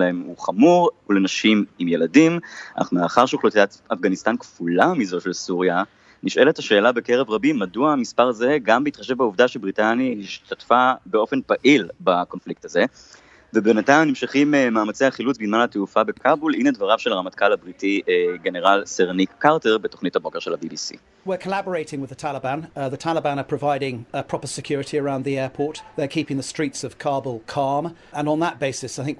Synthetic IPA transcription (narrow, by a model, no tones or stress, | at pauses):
lahemuχamuʁulenaʃimimje̞ladima̰na̰χnumeaχaʁʃuχlut̪iatafɡanist̪ankfulamizo̞ʃelsuʁja | niʃe̞letaʃe̞ːlabe̞ke̞ʁevʁabimːaduaːmispaʁaze̞ɡambeitχaʃevbauvdaʃebʁitanjahiʃtʰatfabe̞o̞fe̞npaʔilbako̞nflik̚taze̞ | vebenatajmnimʃiχimmaːmat͡sejaχilut͡sbizmanateufabekʰabulinedvaʁavʃelaamatkalhabʁitʰiɡeneʁalseʁnikːaʁteʁbeto̞χnithabo̞keʃelabibisḭ | wɪkʰəlabə˞eɪtɪ̃ŋwɪðətʰalɪbæ̃nðətʰalɪbãnəpʰɹ̥əvaɪɾɪ̃ŋpʰɹ̥ɒpəsɪkʰj̥ʊːɹɪtʰiəɹãʊ̃nðiɛːpʰɔˑt̪ðəkʰiˑpɪ̃ŋðəstɹ̥iˑtsəv̥kʰɑːbəlˠkʰɑːm | ə̃nə̃nðət̚b̥eɪsɪsaɪθɪ̃ŋk̚